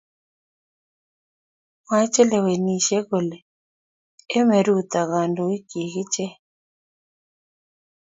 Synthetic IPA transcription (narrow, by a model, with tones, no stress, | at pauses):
ma˦t͡ʃɛ˦lɛ˨we˨ni˨ʃɛ˦ɣo˨lɛ˨˦ | mɛ˨ɾu˦t̪a˨ɣa˨ndo˨i˦ki˨ɣi˦t͡ʃɛ˦